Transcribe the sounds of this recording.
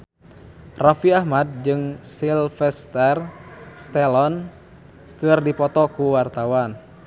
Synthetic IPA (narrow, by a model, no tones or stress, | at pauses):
rafiahmad̚d͡ʒɨŋsilfɛst̪ɛrst̪ɛlɔn | kɨrdipɔt̪ɔkuwart̪awan